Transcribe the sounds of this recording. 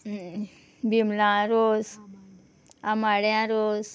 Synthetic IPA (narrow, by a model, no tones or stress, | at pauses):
bimlãɾoz | amaɽjãɾoz